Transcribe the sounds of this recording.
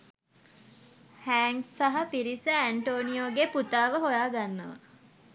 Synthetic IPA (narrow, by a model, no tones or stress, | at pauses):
hæːŋɡsaɦapiɾisəæɳʈoːnijoːɡeput̪aːʋəɦojaːɡanːəʋa̰